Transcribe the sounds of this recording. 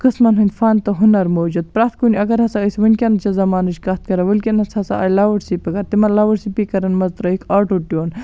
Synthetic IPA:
kɨsmɐnɦɐnʲfaːnt̪ɐɦunɐɾmoːd͡ʒud̪̚pɾat̪̚ʰkuniɐɡɐɾhɐsɐɐsʋɐnʲkʲɐnɐt͡ʃɐzɐmaːnɨʃkɐt̪̚kɐɾɐʋɐlkʲinɐt͡shɐsa̰ʔɐ̰laːwɐʈsipɐkɐɾt̪imɐlaʋɐʈsipikɐɾɐnmɐzt̪ɾɐikʰaːʈoʈjoːn

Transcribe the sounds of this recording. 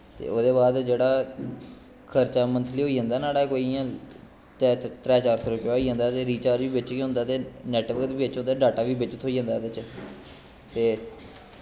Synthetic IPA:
t̪ḛːoːd̪eːβaːd̪d͡ʒeːɽaː | kʰəɾt͡ʃaːmənt̪ʰliːɦoːiːd͡ʒãːnd̪aːnaːɽaːkoːiːãː | tɛːt̪ɾɛːt͡ʃaːɾsoɾəkjaːiːd͡ʒãːnd̪aːt̪eːɾiːt͡ʃaːd͡ʒʋiːbɪt͡ʃkeɦõnd̪aːt̪eːnɛːʈʋəkət̪ʋiːɪt͡ʃɦõnd̪aːɖaːʈaːʋiːbɪt͡ʃət̪ɦoːiːd͡ʒãːnd̪aːd̪ɪt͡ʃ | t̪eː

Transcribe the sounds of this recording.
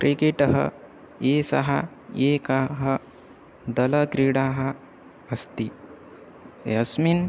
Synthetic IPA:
kɾʔikeʈɐɦɐ̰ | jeːsɐ̰ɦa | eːkaɦɐ | d̪ɐlɐkɾiɽaːɦɐ | ɐst̪i | jɐsmin

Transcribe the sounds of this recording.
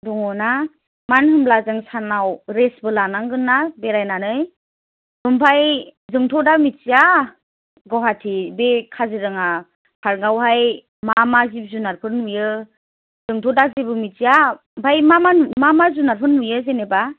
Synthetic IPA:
duŋɔna | manhɯmlazaŋsanawɾesbɯlanaŋɡɯnːabeɾajnanɯj | bɯmbʰajzɯŋtʰɔdamit͡ʃija | ɡɔwɦatʰibekʰaziɾɯŋa | pʰaɾŋɡawɦaj | mamazip̚zunaɾpʰɯɾnːujɯ | z̥ɯŋtʰɔdazebɯmit͡ʃija | bʱajmamamamazunaɾpʰɯnːujɯzeneba

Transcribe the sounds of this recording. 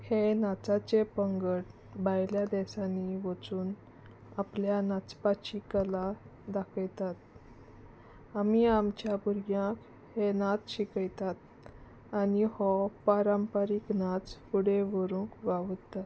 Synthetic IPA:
henat͡sat͡ɕepəŋɡəʈ | bajljad̪ɛsaniʋət͡suːn | apljanat͡spat͡ɕikəlad̪akʰəjt̪at̪̚ | amiamt͡ɕjabuɾɡjãk | henat͡sɕikəjt̪at̪ | anihɔpaɾampəɾiknat͡spuɽeʋəɾũːkʋaʋt̪ːat̪

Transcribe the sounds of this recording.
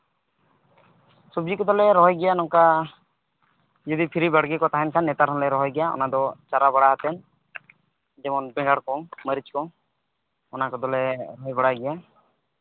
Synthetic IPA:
subd͡ʒikɔd̪ɔlɛɾɔɦɔjɡɛjanɔŋka | d͡ʒɔd̪ipʰiɾibaɽɡikɔt̪aɦɛnkʰanːɛt̪aɾɔnlɛɾɔɦɔjɡɛjaɔ̰nad̪ɔt͡ʃaɾabaɽaɦat̪ɛn | d͡ʒɛmɔnbɛŋɡaɽkɔməɾit͡ʃkɔŋ | ɔnakɔd̪ɔlɛɾɔɦjbɔɽajɡɛja

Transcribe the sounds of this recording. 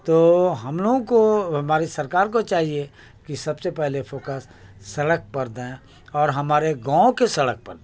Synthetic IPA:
t̪oːɦɐmloːɡõkoɦɐmaːɾisɐɾkaːɾkot͡ʃaːɦie | kisɐbsepɛɦlefoːkəsː | ɐɽək̚pɐɾd̪ẽ | ɔːɾɦɐmaːɾeɡãːõkesɐɽək̚pɐɾd̪

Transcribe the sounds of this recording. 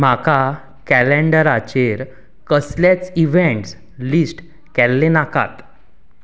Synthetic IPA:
m̤aka | kælẽɳɖəɾat͡ɕeɾ | kəslat͡siʋẽɳʈs | lisʈ | kɛlːenaka̰t̪

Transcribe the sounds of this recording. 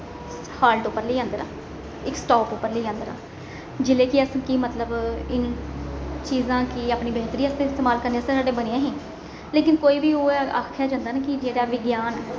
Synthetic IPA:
haːlʈʊpːəɾləːãːnd̪əɾã̰ː | ɪksʈoːpʊpːəɾləiːãːnd̪əɾa̰ː | d͡ʒɪleːkɪəskimət̪ləbɪn | t͡ʃiːzãːkɪaːpɳiːbeːt̪əɾiːəst̪eːɪst̪eːmaːlkəɾneːst̪ẽːsaːɖeːbəneːãːɦẽː | leːkɪnkoːiːbiːoːa̰ːkʰːjaːd͡ʒãːnd̪aːnekɪd͡ʒeːɽaːʋɪɡjaːnː

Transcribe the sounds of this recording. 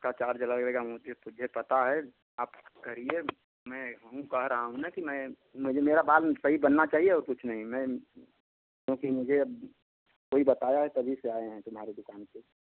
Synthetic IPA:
kat͡ʃaːɾd͡ʒəlalɡɾeɡamʊd͡ʒʱet̪ʊd͡ʒʱepɐt̪aɦɛ | aːpkɐɾie | mɛ̃ɦɐɦũkɐɦɾəɦaɦũnakimɛ̃ | mʊd͡ʒʱemeːɾabaːlsɐɦibɐnːat͡ʃaːɦieɔːɾkʊt͡ʃʰnɐɦĩmɛ̃ | kjõːkimʊd͡ʒʱeb | koːibɐt̪aːjaɦɛt̪ɐbʱiseaːeɦɛ̃t̪ʊmɦaːɾed̪ʊkaːnse

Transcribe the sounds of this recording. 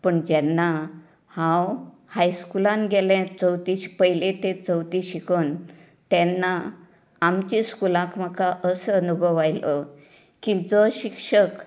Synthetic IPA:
pəɳd͡ʑɛnːa | hãw | hajskulãnɡelãt͡səwt̪iɕpəɦjlet̪et͡səwt̪iɕikʰəːn | t̪ɛnːaː | mt͡ɕĩskulãkm̤əkaʔəsəənubʱəʋajlə | kĩd͡zɔɕikʂək

